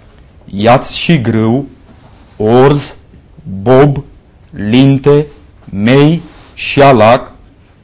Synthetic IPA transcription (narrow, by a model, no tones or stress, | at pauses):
jat̪sʃiɡɾɨw | oɾz | bob | lint̪e | mej | ʃialak